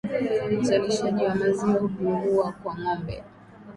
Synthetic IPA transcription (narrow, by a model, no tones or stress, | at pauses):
uzaliʃaʄiwamaziwauɓuŋɡuakwaŋambɛ̰